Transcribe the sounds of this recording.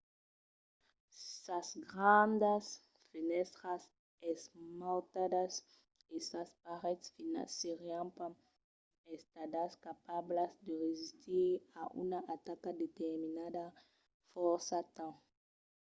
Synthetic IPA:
sasɡɾand̪as | finɛst̪ɾas | esmalt̪ad̪as | esaspaʁɛt̪sfina̰siʁiãmpãŋ | est̪ad̪askapablazd̪əʁezist̪iɾaʔṵnaʔat̪akad̪et̪eɾminad̪a | fɔɾsat̪ã

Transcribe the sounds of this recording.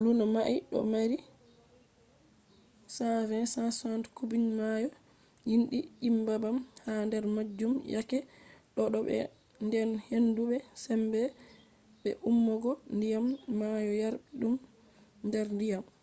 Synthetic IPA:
lunamaʔiɗɔ̰maɾi | savɛnsasɔntkubinmajɔ | jinɗiʔimbabamhandɛɾmad͡ʒːumja̰kɛɗɔɗɔɓɛ̰ | ndɛnhendubɛsɛmbɛ | ɓɛ̰ʔumːɔɡɔndijamːajɔjaɾɓiɗum | ndɛɾndijam

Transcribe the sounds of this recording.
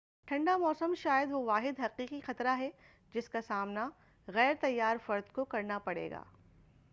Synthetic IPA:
ʈʰɐ̃ɳɖamɔːsəmʃaːjəd̪ʋoʋaːɦɪd̪ɦɐqiːqixɐt̪ɾaɦɛ | d͡ʒɪskasaːmna | ɣɛːɾt̪ɐjːaːɾfɐɾd̪kokɐɾnapɐɽḛːɡa̰ː

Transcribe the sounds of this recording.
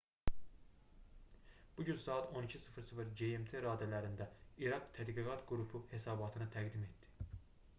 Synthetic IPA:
b̥uɟynsɑːɑt̪ʰo̞nicʰisɯfɯɾsɯfɯɾɟeemt̪ʰe̞ɾɑːd̪ælæɾind̪æiɾɑkt̪ʰæd̪ɡiɡɑt̪ɡuɾupʰuhe̞sɑːbɑt̪ʰɯnɯt̪ʰæɡd̪ime̞t̪d̪i̥

